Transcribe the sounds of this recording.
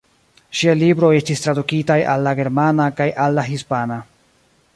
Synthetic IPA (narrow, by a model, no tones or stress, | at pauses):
ʃialibɾo̞e̞stistɾadukitaja̰lːaɡe̞ɾmanakajʔalːaɦispana